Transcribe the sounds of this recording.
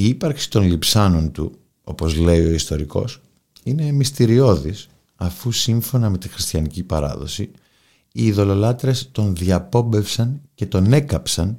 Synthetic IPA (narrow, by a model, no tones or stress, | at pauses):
iipɐɾksi̥t̪o̞nlipsɐno̞nt̪u | o̞po̞zle̞io̞ist̪o̞ɾiko̞̰s | ine̞mist̪iɾio̞ðis | ɐfusiɱfo̞nɐme̞t̪ixɾist̪çɐnicipɐɾɐ̰ðo̞̰si | iːðo̞lo̞lɐt̪ɾe̞st̪o̞nðiɐpo̞be̞fsɐnce̞t̪o̞ne̞kɐpsɐn